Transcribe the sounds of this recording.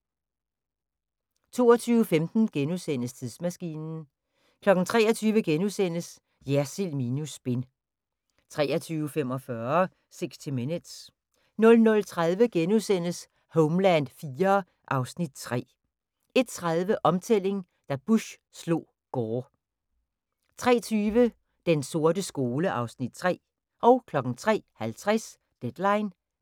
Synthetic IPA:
t͡sʰo̝̰ːɒt͡sʰyːʊəfemd̥n̩ɡ̥enusen̰əst͡sʰiðˠsmæsɡ̥ḭːnn̩ | kʰlɒ̽ɡ̥n̩t͡sʰʁɛ̰ːɐt͡sʰyːʋəɡ̥enusen̰əs | jæɐsilminusb̥e̝n | t͡sʰʁɛːɐt͡sʰyːʊəfem̰ɒ̽fɶɐ | seɡ̥sd̥ʰimenəd̥s | nɔ̽lnɔ̽lt͡sʰʁaðˠʋəɡ̥enusen̰əs | hɔʊmlænd̥fiːɐː | ʔɑ̈ʊsnid̥̚t͡sʰʁɛ̰ː | e̝d̥̚t͡sʰʁað̞ˠʋəʔɒ̽mt͡sʰel̰e̝ŋ | d̥æb̥uɕ | slo̝̰ː | ɡ̥ɒː | t͡sʰʁɛ̰ːt͡sʰyːʋə | d̥enso̝ɐdəsɡ̥o̝ːləʔɑ̈ʊsnid̥̚t͡sʰʁɛ̰ː | ʔɒ̽ʊkʰlɒ̽ɡ̥n̩t͡sʰʁɛ̰ːhælt͡sʰʁɛs | d̥ed̥lɑ̈ɪn

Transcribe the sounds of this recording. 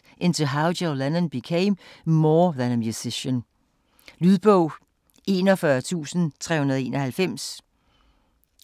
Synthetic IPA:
ʔɪnt͡sʰuɦɑ̈ʊdɛʊlænə̃nb̥ikʰeɪmmɔːðænəmjusɪɕən | lyðˠb̥ɔʊ̰ | ʔe̝ːnɒfɶɐt͡sʰṵːsn̩t͡sʰʁɛ̰hunɐð̞ˠe̝ːnʌhælfem̰s

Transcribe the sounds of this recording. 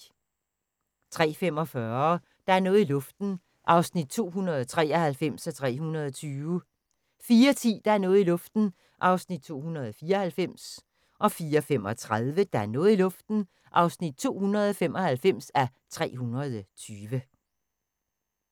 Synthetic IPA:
t͡sʰʁɛ̰ːfem̰ɒ̽fɶɐ | d̥ɑ̈æɐnɔ̽ːð̩ˠilɔ̽fd̥n̩ | ʔɑ̈ʊsnid̥̚t͡sʰo̝̰ːɦunɐð̞ˠt͡sʰʁɛ̰ːɒhælfem̰sæt͡sʰʁɛ̰ːɦunɐð̞̩ˠɒt͡sʰyːʊə | fiːɐt͡sʰḭːd̥ɑ̈æɐnɔ̽ːð̩ˠilɔ̽fd̥n̩ | ʔɑ̈ʊsnid̥̚t͡sʰo̝̰ːhunɐð̞̩ˠɒfiːɐɒ̽hælfem̰s | ʔɒ̽fiːɐɒfem̰ɒ̽t͡sʰʁaðˠʋəd̥ɑ̈æɐnɔ̽ːð̩ˠilɔ̽fd̥n̩ | ʔɑ̈ʊsnid̥̚t͡sʰo̝̰ːhunʁɐðˠɒfem̰ʔɒ̽hælfem̰sæ | t͡sʰʁɛ̰ːɦunɐð̞̩ˠt͡sʰyːʋə

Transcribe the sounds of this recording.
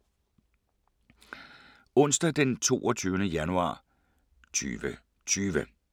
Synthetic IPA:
ɔ̽n̰sd̥æd̥ent͡sʰo̝̰ːʔɒt͡sʰyːʊnəjænuɑ̰̈ː | t͡sʰy̰ːʋə | t͡sʰyːʋə

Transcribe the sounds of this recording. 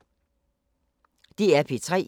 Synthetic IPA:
d̥iæɐpʰit͡sʰʁɛ̰ː

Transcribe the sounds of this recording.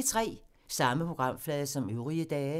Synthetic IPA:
t͡sʰʁɛ̰ː | sɑ̈məpʰo̝ɡ̥ʁɑ̈m̰flɛːðˠɐsɒ̽møʊʁiəd̥ɛː

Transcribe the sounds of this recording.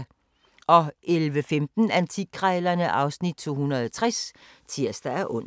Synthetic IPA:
ʔɒ̽ʔelʋəfemd̥n̩ænt͡sʰikʰʁaːlɐnəʔɑ̈ʊsnid̥̚t͡sʰo̝̰ːhunɐð̞̩ˠɒt͡sʰʁas | t͡sʰiɐsd̥ææɐʔɔ̽n̰

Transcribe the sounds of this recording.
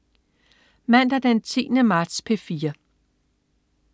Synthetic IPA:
mæn̰d̥æd̥ent͡sʰḭːnəmɑ̈ːd̥spʰe̝fiːɐ

